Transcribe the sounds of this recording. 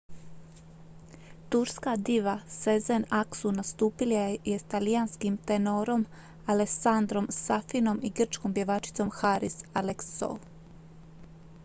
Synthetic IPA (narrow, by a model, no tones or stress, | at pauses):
t̪uɾskad̪iʋasezenaksunast̪uːpiljajest̪alijanskimt̪enoːɾo̞m | aleksand̪ɾo̞msafino̞miɡr̩t͡ʃko̞mpje̞ʋaːt͡ʃi̥t̪so̞mxaɾisalekso̰l